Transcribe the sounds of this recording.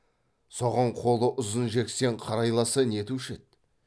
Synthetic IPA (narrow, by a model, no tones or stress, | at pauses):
so̞ʁɑɴqʰo̞lˠəʔʊzənʒe̞kse̞ɴqʰɑɾɑjlˠɑsəne̞t̪uʃet̪̚